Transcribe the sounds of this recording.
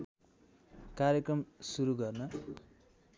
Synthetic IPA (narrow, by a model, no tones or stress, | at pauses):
kaɾjekrʌmsuɾuɡʌrnʌ